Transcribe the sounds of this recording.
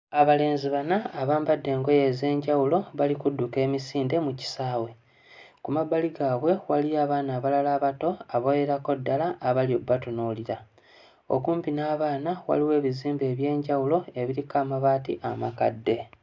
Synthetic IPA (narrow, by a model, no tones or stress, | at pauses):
aβale̞ːnziβanaːβaːmbadːe̞ːŋɡo̞je̞ze̞ːɲɟawulo̞βalikudːuke̞ːmisiːnde̞muci̥saːwe̞ | kumabaliɡaːβwe̞waliaːβaːnaːβalalaːβato̞aβoje̞ɾako̞dːalaʔːβaljo̞bːatonoliɾa | o̰kuːmpinaːβaːnawa̰liwe̞ːβiziːmbeːβje̞ːɲɟawulo̞e̞βiɾikaːmaβaːtḭʔamaka̰dːe̞